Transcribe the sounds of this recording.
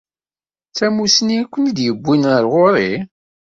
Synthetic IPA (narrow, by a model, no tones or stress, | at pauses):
t͡sæmusniækʷːənd̪jəbʷːinəɾʁʊɾˤi